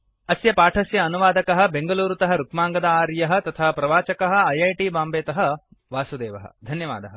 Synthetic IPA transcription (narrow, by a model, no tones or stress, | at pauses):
ɐsjɐpaːʈʰɐsjɐːnuʋaːd̪ɐkɐɦɐ̆beŋɡɐluːɾut̪ɐɦɐɾukmaːŋɡɐd̪ɐaːɾjɐɦɐ̆t̪ɐt̪ʰɐːɐpɾɐʋaːt͡ʃɐkɐɦɐ̆ɐjɐjʈiːbaːmbeːt̪ɐɦɐ̆ | ʋaːsud̪eːʋɐɦɐ̰d̪ʱɐnjɐʋa̰ːd̪ɐɦɐ̰